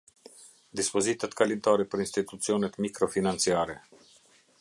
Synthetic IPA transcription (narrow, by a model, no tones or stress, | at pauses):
d̪ispɔzit̪at̪kalint̪aɾɛpəɾinst̪it̪ut͡siɔnɛt̪mikɾɔfinant͡siaɾɛ